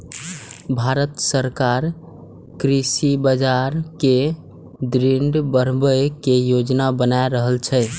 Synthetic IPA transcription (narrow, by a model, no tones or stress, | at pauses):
bʱaɾət̪səɾkaɾ | kɾisibad͡ʒaɾke | d̪ɾiɳɖbəɾ̤bəkejod͡ʒnabənaeɾəɦəlt͡ʃʰɛ